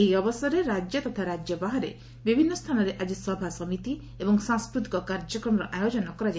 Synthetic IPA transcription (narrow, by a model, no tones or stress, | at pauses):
eiɔbɔsɔɾeɾad͡ʒjɔt̪ɔt̪ʰaɾad͡ʒjɔbaɦaɾḛ | bibʱinːɔst̪ʰanɔɾeʔad͡ʒisɔbʱasɔmit̪i | ebɔŋsãŋskɾut̪i̥kɔkaɾd͡ʒɔkɾɔmɔɾɔʔajod͡ʒɔnakɔɾad͡ʒ